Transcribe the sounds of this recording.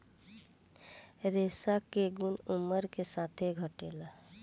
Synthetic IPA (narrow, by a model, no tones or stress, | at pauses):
ɾeːsakeɡʊnʊməɾkesaːt̪ʰeɡʱəʈeːla